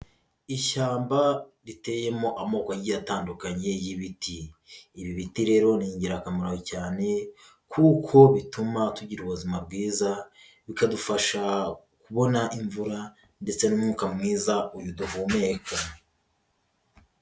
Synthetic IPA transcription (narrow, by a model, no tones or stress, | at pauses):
iʃaːmbaɾite̞je̞mo̞ʔamo̞ːkaɟijataːndukaɲe̞jiβitiːβiβitiɾe̞ːɾo̞niːɲɟiɾakamaɾahocaːne̞ | kʰukʰo̞βitumatuɟiɾuβuzimab̚ɡiːza | βikadufaʃa | kuβo̞naʔiɱvuɾa | nde̞t͡se̞numŋuːkamŋiːzaujuduɦuːmekʰa